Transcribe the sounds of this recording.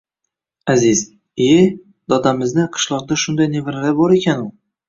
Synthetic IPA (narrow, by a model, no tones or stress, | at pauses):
aziz | e | d̪ɒd̪amɪznɪqʰɨ̥ʃlˠɒqd̪aʃʊnd̪ajnevɾalabɒɾekʲʰanʊ